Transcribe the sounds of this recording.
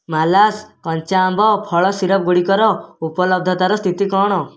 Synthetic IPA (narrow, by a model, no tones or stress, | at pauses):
malaskɔnt͡ʃaːmbʱɔpʰɔɭɔsiɾɔp̚ɡuɽikɔɾɔupɔlɔb̚d̪ʱɔt̪aɾɔst̪ʰit̪ikɔːɽ̃ɔ